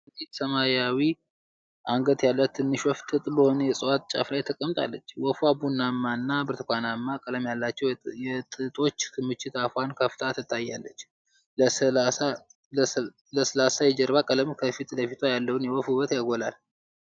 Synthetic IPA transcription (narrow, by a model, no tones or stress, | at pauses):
t̪it̪səmajawi | ʔaŋɡət̪jalːət̪ʰːɨnːɨʃwɔft̪ʰɨt̪ʼləhonəjɛsʼəwat̪̚t͡ʃʼa̰flajt̪ʰːəkʼəmt̪ʼa̰lːət͡ʃːwɔfuabunːamːanːabɨɾt̪ɨkʷanamːakʼələmjalːat͡ʃːɛwjɛt̪ʼɨt̪ʼo̞t͡ʃːɨmɨt͡ʃːɪt̪afwankʰəft̪ʰat̪ʰɨt̪ʰʼːajːalːət͡ʃː | a | ləsəlasajɛd͡ʒəɾβakʼələmkʰəfit̪ləfit̪ʰwajalːəwnjɛwɔfuβət̪jaɡolal